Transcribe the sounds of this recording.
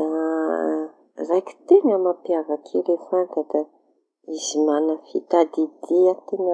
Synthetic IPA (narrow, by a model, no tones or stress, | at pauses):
a | rajkʲi̥t̪eŋəmapiavakʰeɾefant̪ad̪a | izimanəfit̪ad̪id̪iat̪eŋə